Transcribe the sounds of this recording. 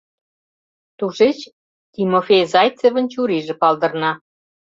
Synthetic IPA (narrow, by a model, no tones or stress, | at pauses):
t̪uʃet͡ɕ | t̪imofʲejzɑjt͡seβə̆nt͡ɕuɾiʒĕpɑld̪ə̆rnɑ